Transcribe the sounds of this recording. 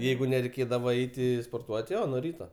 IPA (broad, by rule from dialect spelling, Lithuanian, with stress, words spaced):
ˈjɛɪɡʊ nʲɛrʲɛɪˈkʲeːdɐʋɐ ˈɛɪtʲɪ spoːrˈtuɔtʲ ˈjoː nuɔ ˈrʲiːtɐ